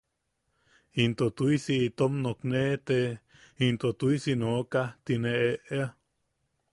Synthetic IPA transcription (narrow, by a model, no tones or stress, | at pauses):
int̪ot̪uisiit̪omnoknet̪e | int̪ot̪uisinokat̪ineʔeʔea